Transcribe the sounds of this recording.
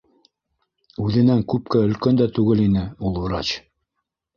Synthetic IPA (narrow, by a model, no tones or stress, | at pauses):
ʉðɘ̆næŋkʉp̚kæɵ̆lkænd̪æt̪ʉɡɘlinɘulˠŭɾɑt͡ɕ